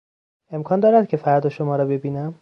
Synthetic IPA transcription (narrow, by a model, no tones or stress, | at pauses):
e̞mkʰɒːnd̪ɒːɾæd̪̥̚cʰe̞fæɾd̪ɒʃomɒːɾɒːbe̞biːnæm